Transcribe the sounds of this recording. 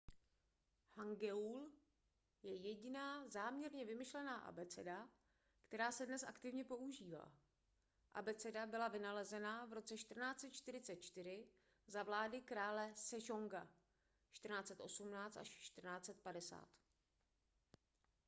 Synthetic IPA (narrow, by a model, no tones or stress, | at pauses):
haŋɡɛul | jɛjɛɟɪnaːzaːmɲɛɾɲɛvɪmɪʃlɛnaːʔa̰bɛt͡sɛda | kt̪ɛɾaːsɛdnɛsʔa̰kt̪ɪvɲɛpo̞uʒiːva̰ː | ʔa̰bɛt͡sɛdabɪlavɪnalɛzɛnavɾo̞t͡sɛʃt̪r̩naːt͡sɛt̪t͡ʃt̪ɪɾɪt͡sɛt̪̚t͡ʃt̪ɪɾ̝ɪ | zavlaːdɪkɾaːlɛsɛʒoŋɡa | t͡ʃt̪r̩naːt͡sɛt̪ʔo̞sumnaːt͡st̪aʃt͡ʃt̪r̩naːt͡sɛt̪̚padɛsa̰ːt̪